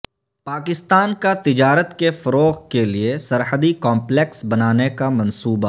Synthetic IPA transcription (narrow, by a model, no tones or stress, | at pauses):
paːkɪst̪aːnkat̪ɪd͡ʒaːɾət̪kefɐɾoːɣkeliesɐɾɦəd̪ikɔ̃ːmpleksbɐnaːnekamɐ̃nsuːba